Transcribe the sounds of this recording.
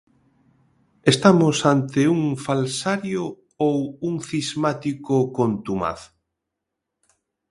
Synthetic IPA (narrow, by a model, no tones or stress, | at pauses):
est̪amʊsant̪ɪuŋfalsaɾjo | owuŋθizmat̪ikokont̪uma̰θ